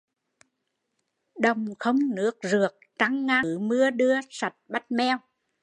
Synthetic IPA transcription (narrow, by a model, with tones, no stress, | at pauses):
ɗə˨˩wŋ͡mxə˧wŋ͡mnɨ˦˥ək̚zɨ˨˩ək̚t͡ɕa˧ŋːa˧˩˦mɨ˧əɗɨ˧əsa˨˩t̚ɓa˦˥t̚mɛ˧w